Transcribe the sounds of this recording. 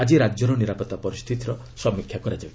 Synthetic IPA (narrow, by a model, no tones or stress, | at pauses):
ad͡ʒiɾad͡ʒɔɾɔniɾapɔt̪apɔɾist̪ʰit̪iɾɔ | sɔmikʰjakɔɾad͡ʒab